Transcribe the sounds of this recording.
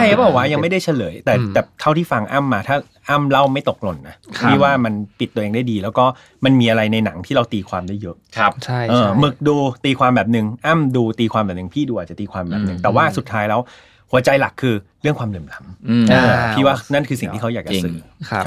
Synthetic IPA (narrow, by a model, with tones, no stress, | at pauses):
t͡ɕʰa˥˩a˨˦˥bɔː˨˩k̚waː˥˩ja˧ŋma˥˩jda˥˩jt͡ɕʰa˧˥˩lɤː˩˦jt̪ɛː˨˩t̪ɛː˨˩t̪ʰa˥˩wt̪ʰiː˥˩fa˧ŋʔaː˥˩mːaː˧t̪ʰaː˥˩ | ʔa˥˩mla˥˩wma˥˩jt̪o˨˩k̚lo˨˧˩nːa˦˥iː˥˩waː˥˩ma˧npi˨˩t̪ːu˧əeː˧ŋdaː˥˩jdiː˧lɛː˦˥wkɔː˥˩ | ma˧nmiː˧ʔa˧ɾa˧jna˧jna˩˦ŋt̪ʰiː˥˩ɾa˧wt̪iː˧kʰwaː˧mdaː˥˩jɤ˦˥ʔʰa˦˧t͡ɕʰa˥˩ʔɤː˧mɯ˨˩k̚duː˧t̪iː˧kʰwaː˧mbɛː˨˩p̬̚nɯ˨˩ŋʔaː˥˩mduː˧t̪iː˧kʰwaː˧mbɛː˨˩nɯ˨˩ŋpʰiː˥˩duː˧ʔa˨˩t͡ɕa˨˩t̪iː˧kʰwaː˧mbɛ̰ː˨p̚nɯ˨˩ŋt̪ɛː˨˩waː˥˩su˨˩t̪ʰːaː˦˥jlɛː˦˥w | hu˨˩˦ɐt͡ɕa˧jla˨˩kʰːɯː˧ɾɯ˥˩əŋkʰwaː˧mlɯ˨˩mla˦m˧ɤː˧iː˥˩waː˥˩na˥˩nkʰɯː˧si˨˩ŋt̪ʰiː˥˩˦wjaː˨˩k̚t͡ɕa˨˧sɯː˨˩˦